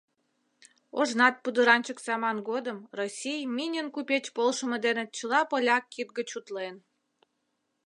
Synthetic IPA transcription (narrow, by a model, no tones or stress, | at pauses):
oʒnɑt̪̚pud̪əɾɑnʲt͡ɕəksɑmɑnɡod̪əmrosʲijmʲinʲənkupʲet͡ɕpolʃəmə̆d̪enet͡ɕəlɑpolʲɑkːit̪̚ɡət͡ɕut̪len